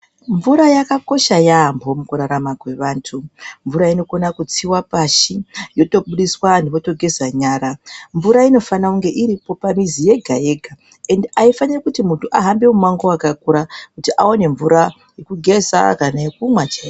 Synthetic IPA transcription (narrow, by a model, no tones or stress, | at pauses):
ɱvuɾajakako̞ʃajambo̞mukuɾaɾamakwe̞ʋaːntʰuɱvuɾaino̞ko̞nakut͡siwapaʃijo̞to̞ɓuɗiswandipo̞to̞ɡʱe̞zaɲaːɾaɱvuɾaino̞fanakuŋɡe̞ʔiɾipo̞pamizije̞ɡʱae̞ɡʱa | e̞ndeaifanirakutimuntʰuʔaɦambe̞mumaŋɡowakakuɾakutiʔaone̞ɱvuɾa | je̞kuɡʱe̞za̰kanajekumwat͡ʃa